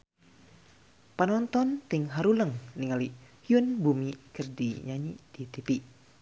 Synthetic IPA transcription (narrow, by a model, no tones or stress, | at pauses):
panɔnt̪ɔnt̪ɪŋɦaɾuləŋniŋalihjunbumikərdiɲaɲid̥it̪ipi